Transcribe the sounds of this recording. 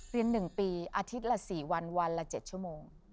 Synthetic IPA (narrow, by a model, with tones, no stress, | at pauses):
ɾi˧ənːɯ˨˩ŋpiː˧ʔaː˧t̪ʰi˦˥t̪̚la˧siː˨˩wa˧nwa˧nla˧˥t͡ɕe˨˩t̪̚t͡ɕʰu˥˩əmoː˧ŋ